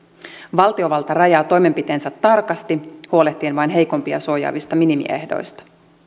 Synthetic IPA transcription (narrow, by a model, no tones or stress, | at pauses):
ʋɑlt̪io̞ʋɑlt̪ɑrɑjɑːt̪o̞jme̞mpit̪e̞ːnsæt̪ːɑrkɑst̪ihuo̞leht̪ːˑiːnʋɑjnɦe̞jko̞mpiɑ̰suo̞jɑ̰ːʋist̪ɑminimḭʔḛhdo̞̰jst̪ɑ̥